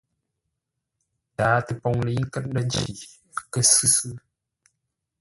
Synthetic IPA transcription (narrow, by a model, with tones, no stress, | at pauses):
taː˨˦tɨ˨˦pɔ˧ŋli˨˦ŋ̩˦kə˦t̚n̩˦də˦n˦t͡ʃi˨ | kə˦sɨ˦sɨ˦